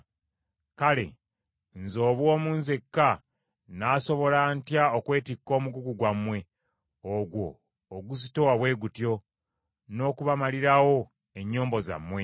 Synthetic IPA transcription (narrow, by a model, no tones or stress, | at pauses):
kale̞̰ | nzo̞ːβwo̞ːmuːnzekːa | naːso̞βo̞lantjaokwe̞ːtikːo̞ːmuɡuɡuɡwamːwe̞ | oɡwo̞ː | ɡuzitowaβwe̞ːɡutjo̞ | no̞ːkuβamaliɾawo̞ | e̞ɲːoːmbo̞za̰mːwe̞